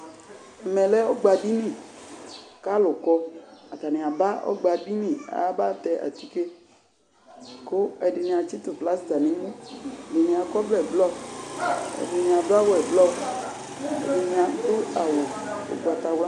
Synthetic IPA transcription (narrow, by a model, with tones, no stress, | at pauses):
ɛ˨mɛ˨lɛ˦ɔ˦ɡ͡ba˧bi˦nĩ˦˨ | ka˦lʊ˨kɔ˧a˨t̪a˨nĩ˨a˨ba˦ɔ̰˦ɡ͡ba˧bi˦nĩ˦˨a̰˨a˦ba˦t̪ɛ˧ʔa̰˨t̪i˦ke˦ | ko˦ɛ˨di˨nĩ˧a˨t͡ʃi˦t̪u˨fla˨˦sda˨nĩ˦˨di˨nĩ˧a˨kɔ˦blɛ˦˨blɔ˦ | ɛ̰˨di˨nĩ˧a˨ba˦wo˦ɛ˨blɔ˦˨ | ɛ̰˨di˨nĩ˧a˨t̪ʊ˦a˨wo˨ | o̰˨ɡ͡ba˨t̪a˧wla˦